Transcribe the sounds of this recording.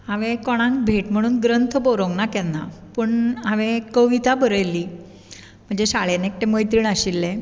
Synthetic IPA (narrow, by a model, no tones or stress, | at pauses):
ɦãʋẽkɔɽ̃ãŋkbʱeʈm̤əɽ̃uːnɡɾənt̪ʰəbɔɾoŋɡnakɛnːa̰pəɳɦãʋẽkəʋit̪abəɾəjli | m̤əɳd͡zeɕaɭenek̚ʈeməjt̪ɾiːɳəɕilːe